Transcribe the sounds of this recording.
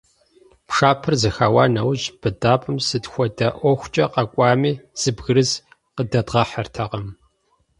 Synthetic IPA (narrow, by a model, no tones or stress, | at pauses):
pʰʂaːpʰɨrzɨxaːwaːnɐwʑb̥ɨdaːpʼɨmsɨtxʷɔdɐʔʷɔxʷt͡ʃʼɐqɐkʷʼɑːmiːz̥ɨbɣɨɾɨz | qədɐdʁɐħɐrtʰɐqɐm